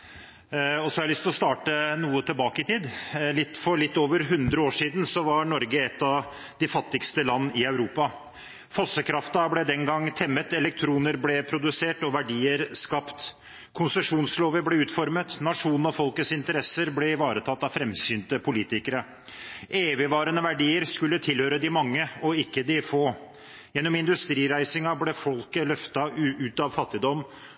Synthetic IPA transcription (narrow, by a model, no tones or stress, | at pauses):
ɔsɔhɑɾlʏst̪lɔst̪ɑːʈənuːət̪ʰɪlbɑːkəɪt̪ʰiːd̪lɪt̪ːfɔɾlɪt̪ːoːʋəɾɦʉnd̪ɾəoːʂiːd̪n̩sɔʋɑɾɳɔɾɡəɛt̪ːɑʋ | d̪ɪfɑt̪ːɪkst̪əlɑnːɪœʉɾuːpɑ | fɔsəkʰɾɑft̪ɑblɛd̪ɛnɡɑŋːt̪ʰɛmːət̪ɛlɛk̚t̪ʰɾuːnəɾblɛpʰɾʊd̪ʉseːʈɔʋæɖiːəɾskɑpt̪ | kʰʊnsəʂuːnsloːʋəblɛʉːt̪fɔɾmət̪nɑʂuːnnɔfɔlkət̪sɪnt̪əɾɛsəɾblɛʋɑːɾət̪ʰɑt̪ːɑʋfɾɛmsyːnt̪əpʰʊliːt̪ɪkəɾə | ʔeːʋɪʋɑːɾənəʋæɖiːəɾskʉlːət̪ʰɪlhøːɾəd̪ɪmɑŋːəɔɪkːəd̪ɪfoː | jɛnːɔmɪnd̪ʉst̪ɾiːɾæɪsɪŋɑblɛfɔlkəlœft̪ɑʉːt̪ɑʋfɑt̪ːɪd̪ɔmː